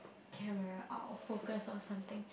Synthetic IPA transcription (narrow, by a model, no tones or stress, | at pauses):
kʰɛməɹaʔa̰fokəsɔ̃nsãmt̪ɪ̃ŋ